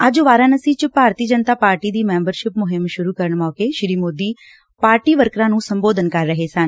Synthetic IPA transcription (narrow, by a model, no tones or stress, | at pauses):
əd͡ʒʋaːɾãːnəsiːt͡ʃpaːɾt̪iːd͡ʒənt̪aːpaːɾʈiːd̪iːmɛ̃ːmbəɾʃɪpmʊɦɪmʃʊɾuːkəɾəɳmɔːkeːʃɾiːmoːd̪iː | paːɾʈiːʋəɾkɾãːnũːsəmboːd̪ənkəɾːəɦeːsən